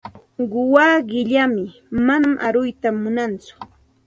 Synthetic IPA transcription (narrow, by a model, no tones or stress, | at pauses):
ɢʊwaɢɪʎamɪ | manamʔaɾʊjt̪amʊnant͡sʊ̥